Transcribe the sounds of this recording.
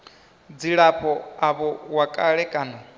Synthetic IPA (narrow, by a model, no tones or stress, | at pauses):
d͡ziɺapʰɔaβɔwakʼaɺɛkʼaːnɔ